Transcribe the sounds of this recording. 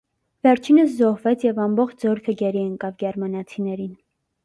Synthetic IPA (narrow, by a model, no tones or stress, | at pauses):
vɛɾt͡ʃʰinəszɔhvɛt͡sʰjɛvɑmbɔχt͡ʃʰd͡zɔɾkʰəɡɛɾiɛŋkɑvɡɛɾmɑnɑt͡sʰinɛɾin